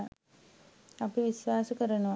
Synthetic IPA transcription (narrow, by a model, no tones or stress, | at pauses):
ɐpːɐʋisʋaːsukɐɾɐnuʋɐ